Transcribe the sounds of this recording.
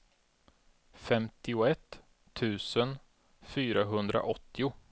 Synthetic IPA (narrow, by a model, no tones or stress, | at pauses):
fɛmt̪ɪʊɛt̪ʰː | ʉ̟ːsən | fyːɾaɦɵnd̪ɾa̰ʔɔt̪ʰːɪʊ